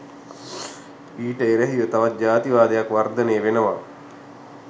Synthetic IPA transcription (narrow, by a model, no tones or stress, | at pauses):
iːʈəeɾəɦiʋət̪aʋat̪̚d͡ʒaːt̪iʋaːd̪ejakʋard̪əneːʋenəʋa̰